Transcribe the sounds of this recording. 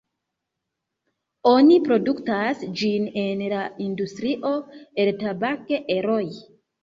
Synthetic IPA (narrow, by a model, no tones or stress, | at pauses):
onipɾo̞duktasd͡ʒinenlaindustɾiʔo̞eltabakeʔeɾoj